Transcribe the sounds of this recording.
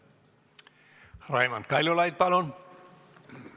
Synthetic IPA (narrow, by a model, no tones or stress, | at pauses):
rɑimɑ̰nt̪̚kɑlʲolɑjt̪̚pɑlon